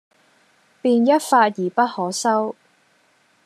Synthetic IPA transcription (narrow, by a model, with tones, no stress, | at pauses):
piː˧njɐ˥t̚faː˧t̚jiː˨˩pɐ˥t̚hɔː˨˥sɐ˥w